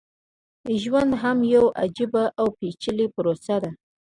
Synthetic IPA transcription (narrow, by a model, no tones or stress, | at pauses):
ʒwand̪ɦamjawa̰d͡ʒibaʔawpet͡ʃəlipəɾosad̪a